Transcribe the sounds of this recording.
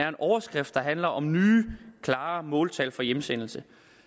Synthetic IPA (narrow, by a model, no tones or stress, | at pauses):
æɐe̝nʔɒʊɐsɡ̥ʁɛfd̥d̥ɑ̈ɦænlɐʔɒ̽mnyːkʰlɑ̈ːmɔ̰̽ːlt͡sʰælfɒ̽jemsen̰l̩sə